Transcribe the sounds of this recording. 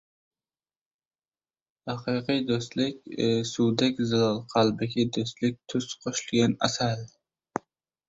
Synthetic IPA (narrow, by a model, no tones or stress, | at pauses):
hɑqʰɨqɨjd̪ost̪lɪkʲsuwd̪akʲzɪlɒlˠqʰɑlˠbɪkʲɪd̪ost̪lɪk̚ʲt̪ʰʊsqʰoʃlɡʲanasal